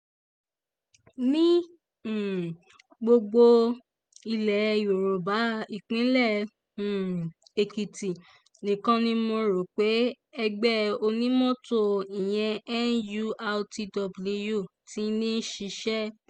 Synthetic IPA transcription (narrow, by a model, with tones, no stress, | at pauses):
nĩ˦˨ | ɡ͡bo˧ɡ͡bo˧ | i˧lɛ˨jo˨ɾo˨ba˨˦i˦˨k͡pĩ˨˦lɛ˦˨ | e˨ki˨ti˨ | nĩ˨kã˦nĩ˦mo˧ɾo˨k͡pe˨˦ | ɛ˧ɡ͡bɛ˦o˧nĩ˦mɔ̃˦to˦˨i˨j̃ɛ̃˧ɛ˦n̩˦ju˦a˧ti˧dɔ˧bli˧ju˦˨ti˨˦nĩ˦ʃi˧ʃɛ˦